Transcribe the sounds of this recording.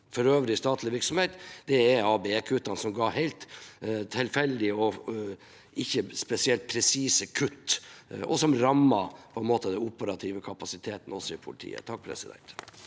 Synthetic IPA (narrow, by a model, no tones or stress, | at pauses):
fɔɾøːʋɾɪst̪ɑːt̪ʰlɪʋɪɾksɔmhɛɪt̪d̪ɛɛɑːbɛɛkʰʉt̪ːɑnsɔmɡɑːhæɪlt̪t̪ʰːɪlfɛld̪ɪɔ | ʔɪçːəspɛsɪɛlt̪̚pʰɾɛsiːsəkʰʉt̪ːʔɔ̰sɔmɾɑmːɑpʰɔɛnmoːt̪əd̪ɛnʊpəɾɑt̪ʰiʋəkʰɑpɑsɪt̪ʰeːt̪n̩ɔsɔɪpʰʊlɪt̪ʰḭːə̰t̪ʰɑk̚ːpʰɾɛ̰sɪd̪ɛ̰nt̪